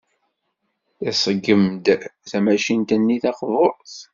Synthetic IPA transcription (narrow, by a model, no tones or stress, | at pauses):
θæsəɡːəmd̪θæmæʃint̪ənːiθɑqvoɾˤθ